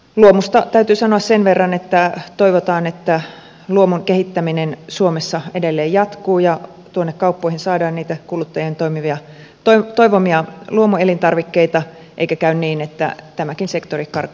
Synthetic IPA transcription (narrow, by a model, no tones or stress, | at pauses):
luomust̪ɑt̪æyt̪yːsɑnoɑssenʋerːɑnet̪ːæt̪oiʋot̪ɑːnet̪ːæ | luomuŋkehit̪ːæminensuomesːɑedelːeːjɑt̪kuːjɑ | t̪uonːekkɑupːoihinsɑːdɑːnniːt̪ækulut̪ːɑjient̪oimiʋiɑ | t̪ot̪oiʋomiɑluomuelint̪ɑrʋikːeit̪ɑ | ʔḛikækæynniːnet̪ːæ̰t̪æmækinsekt̪orikɑrk